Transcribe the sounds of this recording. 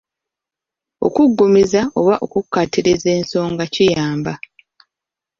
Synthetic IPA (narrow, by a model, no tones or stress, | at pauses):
o̞̰kuɡːumizao̞βaʔo̞̰kukːatiɾeze̞ːnso̞ːŋɡacijaːmba